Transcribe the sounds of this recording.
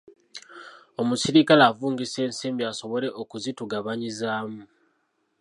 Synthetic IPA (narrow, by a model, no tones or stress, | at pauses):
o̞musiɾikalaːvuːŋɡise̞ːnseːmbiaso̞βo̞le̞ʔokuzituɡaβaɲizaːmu